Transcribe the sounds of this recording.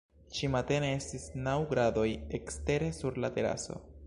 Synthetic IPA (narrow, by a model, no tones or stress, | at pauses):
ʃimate̞ne̞e̞stisnawɡɾado̞je̞kste̞ɾe̞suɾlate̞ɾa̰so̞̰